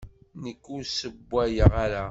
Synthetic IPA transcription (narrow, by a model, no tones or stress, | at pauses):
nəkːʊɾsəbːæjəʁaɾa